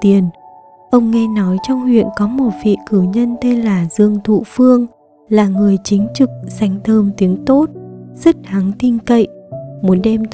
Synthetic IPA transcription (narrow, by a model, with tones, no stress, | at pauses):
t̪i˨˩ən | ʔə˧wŋ͡mŋe˧nɔ˨˦jt͡ɕɔ˧wŋ͡mhwḭ˧˨ənkɔ˨˦mo˨˩t̚vḭ˧˨kɨ˧˩ɲə˧nt̪e˧nlaː˨˩zɨ˨˩əŋt̪ʰṵ˧˨fɨ˧əŋ | laː˨˩ŋɨ˨˩əjt͡ɕï˨˦ŋ̟t͡ɕɨ˨˩k̚sa˨˦jŋ̟t̪ʰəː˧mt̪i˨˦əŋt̪o˦˥t̚z̥ə˦˥t̚ha˨˦ŋt̪i˧ŋkə̰˧˨jʔmu˨˦nɗɛ˧mt̪